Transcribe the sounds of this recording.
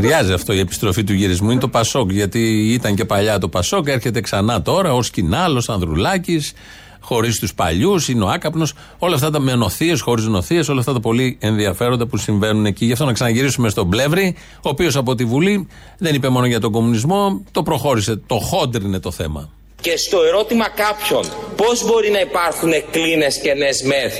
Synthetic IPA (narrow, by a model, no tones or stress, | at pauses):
ɾʝɐziɐft̪o̞ie̞pi̥st̪ɾo̞fit̪uʝiɾizmuinet̪o̞pɐso̞kʝɐt̪iit̪ɐɲce̞pɐʎɐt̪o̞pɐso̞keɾçe̞t̪e̞ksɐnɐt̪o̞ɾɐo̞scinɐlo̞sɐnðɾulɐcis | xo̞ɾist̪uspɐ̰ʎusineo̞ɐkɐpno̞s | o̞lɐft̪ɐt̪ɐmeno̞θiesxo̞ɾiznoθieso̞lɐft̪ɐt̪̬ɐpo̞lie̞nðiɐfe̞ɾond̪ɐpusiɱve̞nune̞ciʝɐft̪o̞nɐksɐnɐʝiɾisume̞st̪oble̞vɾi | oːpio̞sɐpo̞t̪̬ivuli | ðe̞nipe̞mo̞noʝɐt̪o̞ɡo̞munizmo̞t̪o̞pɾo̞xo̞ɾise̞t̪o̞xo̞d̪ɾine̞t̪o̞θe̞̰mɐ̰ | ce̞st̪o̞e̞ɾo̞t̪imɐkɐpço̞npo̞zbo̞ɾinɐipɐɾxune̞kline̞sce̞nezmeθ